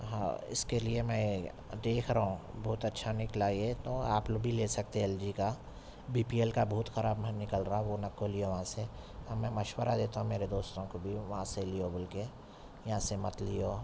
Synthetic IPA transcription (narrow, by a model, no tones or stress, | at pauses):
ɦã̰ɪ̰skeliemɛ̃ | d̪eːkʰɾɐɦũbɐɦʊt̪ɐtːʃʰanɪklaːiet̪oːaːploɡbʱilesɐk̚t̪eɛld͡ʒika | biːpielkabɔɦʊt̪xɐɾaːbmnɪkəlɾaãʋonɐkːolioʋɐɦãse | ɔmɛ̃mɐʃwəɾad̪eːt̪aɦũmeːɾed̪oːst̪õkobʱiʋɐɦãselijobʊlke | jɐɦãsemɐt̪lijo